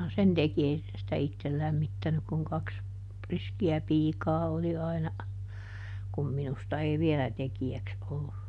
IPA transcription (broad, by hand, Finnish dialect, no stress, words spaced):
sen teki ei se sitæ itːel læmːitːænyk kuŋ kɑks riskiæ piːkɑː oli ɑinɑ kum minustɑ ei ʋielæ tekiæks olːu